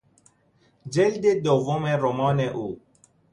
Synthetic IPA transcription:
d͡ʒeld̪ed̪ovomeɾomɔːneʔuː

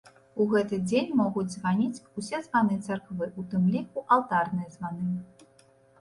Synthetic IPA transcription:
uɣɛt̪ɨd͡zʲenʲmɔɣut͡sʲzvɑnʲit͡sʲusʲɛzvɑnɨt̪t͡s̪ʰɨrkvɨʔut̪ɨmlʲiuʔɑlˠt̪ɑrnɨjəzvɑnɨ

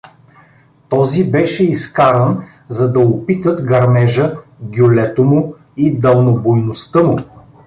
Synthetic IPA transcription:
t̪ɔzibɛʃɛiskaɾən | zɐd̪ɐopit̪ət̪ɡɐɾmɛʒəɡʲjolɛt̪omʊ | id̪ɐlˠnobojnost̪əmʊ

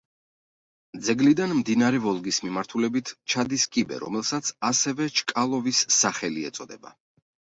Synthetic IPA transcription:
d̪zɛɡlid̪anmd̪inaɾɛvɔlˠɡismimaɾt̪ʰulɛbit̪ʰt͡ʃʰad̪iskʼibɛ̰ɾɔ̰mɛlˠsat̪sʰasɛvɛt͡ʃʰkʼalˠɔvisːaχɛliɛ̰t̪sʼɔd̪ɛba̰

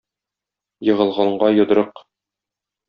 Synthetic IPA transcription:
jɤ̆ʁɤ̆lˠʁɑɴɢɑjŏd̪̆ɾɤq

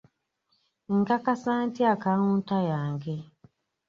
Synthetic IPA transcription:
ŋ̩ɡakasaːntiakaluːntajaːŋɡe

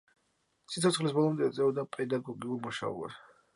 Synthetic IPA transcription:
sit̪sɔt̪sʰχlisbɔlˠɔmd̪ɛːt̪sʼɛɔd̪apʼɛd̪aɡɔɡiuɾmuʃa̰ɔ̰a̰s

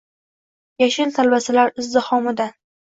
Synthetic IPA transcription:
jaʃɪnt̪ʰalbasɪlaɾɪzd̪ɪhɒmɪd̪a

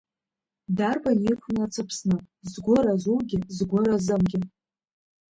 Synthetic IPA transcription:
darbanikʷʰnat͡sʰɨpʰsnɨ | zɡʷʊɾazuwɡʲɪzɡʷʊɾazɨmɡʲɪ

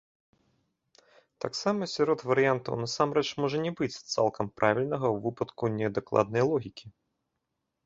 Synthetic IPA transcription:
t̪a̰ksamɐsʲɔɾɔt̪vɐɾɨjant̪ɐ̰wnɐsamɾɛt͡ʂmɔʐɐnʲɛbɨt͡sʲt̪sa̰lˠkʰɐmpɾʔavʲilʲnɐɣɐwvɨpɐt̪kunʲɛd̪ɐklˠa̰d̪̚nɐjlˠɔɣʲikʲi

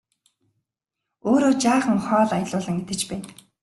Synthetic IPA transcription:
oːɾoːt͡ɕaːχə̆ŋχɔːɮajɮʊːɮə̆ŋet̪ɘ̆t͡ɕpæːn

